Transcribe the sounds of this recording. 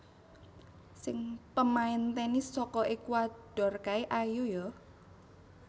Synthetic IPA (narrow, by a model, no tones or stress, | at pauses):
sɪŋpəmaint̪ɛnisɔkɔʔekuad̥ɔ̤rkaeʔajujɔ